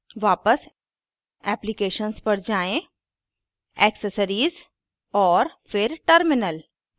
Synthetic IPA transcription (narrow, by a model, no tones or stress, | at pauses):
ʋaːpəs | ɛːplɪkeːʃənspɐɾd͡ʒaːẽ | ɛːksəsəɾiːz | ɔːɾfɪɾʈəɾmɪnəl